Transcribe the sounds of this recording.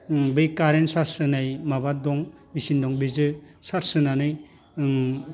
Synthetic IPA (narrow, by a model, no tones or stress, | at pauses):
bɯjkaɾensaɾsɯnajmabadɔŋ | bisindɔŋbizɯ | saɾsɯnanɯj